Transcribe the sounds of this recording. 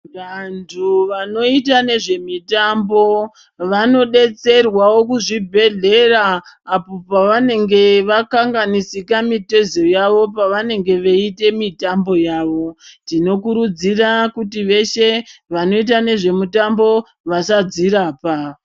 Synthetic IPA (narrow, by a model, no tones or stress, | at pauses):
ʋantʰuʋano̞it̬ane̞ʐe̞mitambo̞ | ʋano̞ɗe̞t͡se̞rwawo̞kuʐibʱe̞ɮe̞raːpo̞paʋane̞ŋɡe̞ʋakaŋɡanisikamite̞zojaʋo̞p̬aʋane̞ŋɡe̞ʋeite̞mitambo̞jaːʋo̞dino̞kuɾud͡zirakutiʋe̞ʃe̞ʋano̞it̬ane̞ʐe̞mutambo̞ | ʋasad͡ziɾaːpa